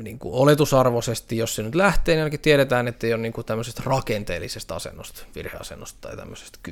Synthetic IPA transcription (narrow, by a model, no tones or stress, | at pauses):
niːŋkṵolet̪usɑrʋosest̪ijossenyt̪læht̪eːniɑlkit̪ieɾet̪æːnet̪ːeijonniːŋkut̪æmːøsest̪rɑkent̪ḛːlːisest̪ɑ̰sḛnːost̪ʋḭrhḛɑ̰sḛnːost̪tɑ̰it̪æ̰mːøse̥st̪ky